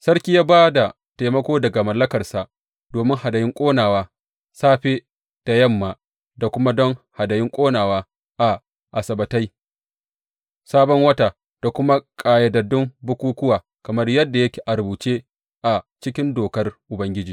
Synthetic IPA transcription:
sɐ˦rkʲiː˦jaː˦baː˦da˨ | ta˨mɐ˦kʷoː˦dɐ˨ɡa˨mɐ˨lːɐ˦kɐ˨rsa˨ʔ | d̥oː˨mɪ˦ŋha˨dɐ˨jɪ˦ŋkʷʼoː˦naː˨waː˦ | saː˦ɸe˦ | d̥a˨jɐ˦mːaː˨ | da˨kʷʊ˦ma˦dɔ˦ŋha˨dɐ˨jɪ˦ŋkʷʼoː˦naː˨waː˦ | ʔa˨ | ʔa˨sɐ˨bɐ˨ta˦j | saː˦bɔ˦ŋwɐ˦ta˨ | d̥a˨kʷʊ˦ma˦kʼaː˨jɐ˨dɐ˨dɪ˦mbʊ˦kʷuː˦kʷʊ˦waː˨ | kɐ˨mɐ˦rjɐ˦dːa˨jɐ˦kʲe̥ː˨ʔa˨ɾbuː˨t͡ʃe˦ | ʔa˨t͡ʃɪ˦kʲɪ˦ndoː˨kɐ˦rʔʊ˨bɐ˦ŋɡʲɪ˦d͡ʒiː˨

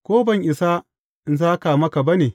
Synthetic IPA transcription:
kʷoː˦bɐ˦ŋʔɪ˨sa˦ | ʔɪ˨nsaː˦ka˨mɐ˦ka˨bɐ˦neː˨

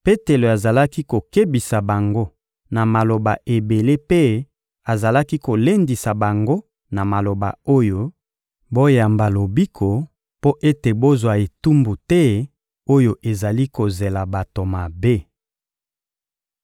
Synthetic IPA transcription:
pe˦te˨lo˨a˨za˨la˦ki˦ko˨ke˦bi˨sa˨ba˨ŋɡo˦ | na˨ma˨lo˨ba̰˨ʔe˨be˨le˦pe˦ | a˨za˨la˦ki˦ko˨le˦ndi˨sa˨ba˨ŋɡo˦ | na˨ma˨lo˨ba̰˨o˦jo˦ | bo˦ja˨mba˨lo˨bi˦kʰo˨ | po˦ʔe˦te˨bo˦zwa˨e˨tu˦mbu˨tɛ˦ | o˦jo˨ʔe˨za˨li˦ko˨ze˨la˨ba˨to˨ma˨be˦

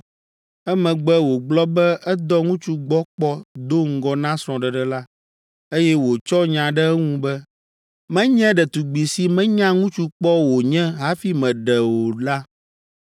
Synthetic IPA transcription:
ɛ˦mɛ̃˨ɡ͡bɛ˦wo˨ɡ͡blɔ˦bɛ˦ʔɛ˦d̪ɔ˦ŋũ˦t͡ʃu˦ɡ͡bɔ˦k͡pɔ˦d̪o˦ŋ̩˦ɡɔ˦nã˦sɾ̃ɔ̃˨ɖɛ˨ɖɛ˦la˦ | e˦jɛ˦wo˨t͡ʃɔ˦ɲã˨ɖɛ˦ɛ˦ŋũ˦bɛ˦ | mɛ̃˦ɲɛ̃˦ɖɛ˨t̪u˨ɡ͡bi˨si˨mɛ̃˦ɲã˦ŋũ˦t͡ʃu˦k͡pɔ˦wo˨ɲɛ̃˦ɦa˦fi˦mɛ̃˨ɖɛ˨wo˨la˦

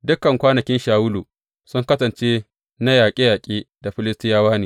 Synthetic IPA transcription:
dʊ˦kɐ˨ŋkʷaː˦nɐ˨kʲɪ˦nʃaː˨wʊ˦luː˨ | sʊ˦ŋkɐ˦sɐ˨nt͡ʃeː˦ | na˦jaː˨kʲʼe˦jaː˨kʲʼeː˦da˨ɸɪ˦lɪ˦stɪ˦jaː˦waː˦niː˨

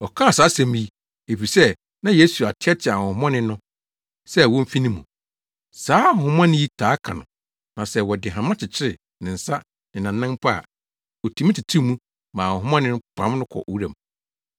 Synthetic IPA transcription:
ɔ˨kʰã˦a˨saː˨˦sɛ̃˨m˦ji˦ | e˨fi˨sɛ˦ | nã˦je˦su˨a˨tʰɪ˦ɛ˦tʰɪ˨a˨hʊ̃˨hʊ̃˦mɔ̃˦nɪ̃˦nʊ̃˦ | sɛ˦˨wɔ̃˦m̩˦fi˦nĩ˦mːũ˨ | saː˨˦hʊ̃˨hʊ̃˦mã˦nɪ̃˦ji˦tʰaː˨˦kʰã̰˨nʊ̰̃˨ | nã˨sɛ˦wɔ˨dɪ˨ɦã˨mã˦t͡ɕʰɪ˨t͡ɕʰɪ˦ɾɪ˨ | nɪ̃˨n̩˨sa˦ | nɪ̃˨nã˨nːɪ̃˦m˦pʰa˦a̰˨ | ɔ˨tʰi˨˦mĩ˦tʰi˨tʰi˦mũ˦ | mã˨ʊ̃˨hʊ˦mã˦nɪ̃˦nʊ̃˦pʰã˨˦m˦nʊ̃˦kʰɔ̰˨ʔwu˦ɾæ˨mũ˨

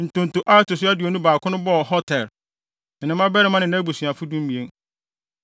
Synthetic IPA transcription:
n̩˨tʊ̃˨n̩˨tʊ˨ʔa˦tʊ˨sʊ˦æ˦dɪ˨o˨nũ˦baː˨kʰʊ̃˦nʊ̃˦bɔ˦˨hɔ˦tʰɛ˨l | nɪ̃˨nɪ̃˦mã˦bɛ˦ɾɪ˦mã˦nɪ̃˨nã˦bu˨si˨a˨fʊ˦dũ˦m̩˦mĩ˨e˦n

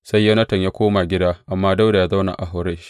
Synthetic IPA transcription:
sa˦jːɐ˦nɐ˦tɐ˨ɲjaː˦kʷoː˦ma˨ɡʲɪ˦daː˦ʔa˨mːaː˦da˦wda˨jaː˦za˦wna̰˨ʔa˨ɦa˦wɾeː˦ʃ

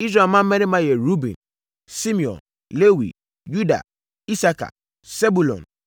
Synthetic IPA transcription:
i˦s̬ɾa˨mã˦m̩˦mɛ̃˦nɪ̃˦mã˦jɛ˨ɾu˦bḭ̃˨n | sĩ˦mĩ˨ɔ̰̃˨n | le˦wḭ˨ | ju˦da̰˨ | i˦sa˦kʰa̰˨ | se˦bu˨lɔ̰̃˨n

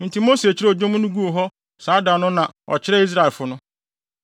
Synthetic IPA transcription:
n̩˨tʰi˨mo˦se˨t͡ɕʰɪ˦ɾɛ˦ɔ˨d͡ʑõ˦mũ˦nʊ̃˦ɡu˦o˨ɦɔ˦ | saː˨˦dã˨nʊ̃˦nã˨ɔ̰˨t͡ɕʰɪ˦ɾɛ˦i˦s̬ɾa˦˨e˨lfʊ˨nʊ̃˦

